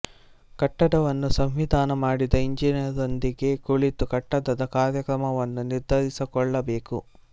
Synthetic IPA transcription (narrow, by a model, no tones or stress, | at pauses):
kɐʈːɐɽɐʋɐnːusɐmʋid̪ʱaːnɐmaːɽid̪ɐiɲd͡ʒiniɾd̪ond̪iɡe̞kuɭit̪ukɐʈːɐd̪ɐd̪ɐkaːɾjɐkɾɐmɐʋɐnːuniɾd̪ʱɐɾisikɔɭːɐbe̞ːku